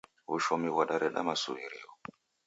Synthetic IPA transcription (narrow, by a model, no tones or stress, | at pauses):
wuʃɔmiwaɗaɾɛɗa̰masṵiɾɛ̰o